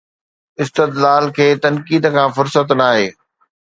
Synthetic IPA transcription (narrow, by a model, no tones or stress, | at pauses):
ɪst̪ɪd̪laːlkʰeːt̪ɐnkiːd̪kʰãːfʊɾsət̪naːɦeː